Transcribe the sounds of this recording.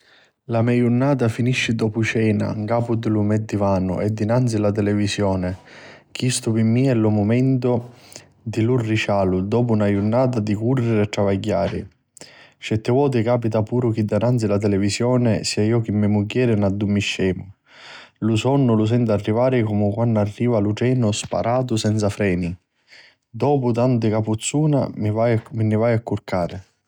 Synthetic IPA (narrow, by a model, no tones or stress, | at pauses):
lamɛjunːaːt̪̬afiniʃːɪd̪ɔːpʊt͡ʃɛːna̰ŋkaːpʊd̪ɪlumɛd̪ːivaːnʊ̰ʔɛd̪ːinant̪silat̪̬ɛlɛvisjɔːnɪ | k̟ist̪ʊpɪmːiɛlʊmʊmɛnt̪ʊ | d̪ilurːit͡ʃaːlʊd̪ɔːpʊunajunːaːt̪ad̪ikurːɪɾɪɛt̪ːɾavaɟːaːɾɪ̰ | t͡ʃɛt̪ːɪvɔːt̪̬ɪkaːpit̪apuːɾʊk̟id̪ːanant̪silat̪̬ɛlɛvisjɔːnɪsiːaiːɔk̟ɪmːɪmuɡːɛːɾɪnad̪ːumːiʃːɛːmʊ | lusɔnːʊlʊs̬ɛnt̪arːivaːɾɪkɔmʊkwanːarːiːvalut͡ʃɛːnʊspa̰ɾʔaːt̪̬ʊsɛnt̪safɾɛːni | d̪ɔːpʊt̪ant̪ɪkaput̪sːuːna̰vaminːɪvajakːurkaːɾɪ